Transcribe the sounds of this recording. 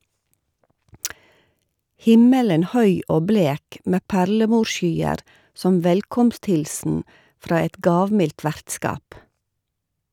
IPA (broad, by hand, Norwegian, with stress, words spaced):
ˈhɪmələn ˈhœʏ ˈoː ˈbleːk ˈmeː ˈpæɾləˌmuːʃˌʃyːəɾ ˈsɔm ˈʋɛlkɔmstˌhɪlsn̩ ˈfɾɑː ˈɛt ˈɡɑːʋmɪlt ˈʋæɾtˌskɑːp